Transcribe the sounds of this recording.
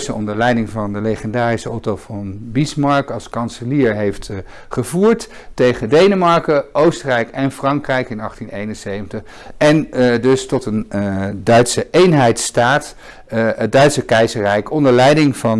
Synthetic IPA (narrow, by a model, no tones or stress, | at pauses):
səɔ̰ndəɹlɛjdɪŋvɑndəlejχəndaːrisəɔtovɑnbismɑɹkɑlˠskɑnsəliːɹɦejft | χəvuːɹt | tejχədejnəmɑɹkəʔowstərɛjkɛnfrɑŋkrɛjkɪnɑχtinejnənsejvəntəχ | ɛndɵstɔtəndœɥtsəʔejnɦɛjtstaːt | ət̚dœɥtsəkɛjzəɹrɛjkɔndəɹlɛjdɪŋvɑn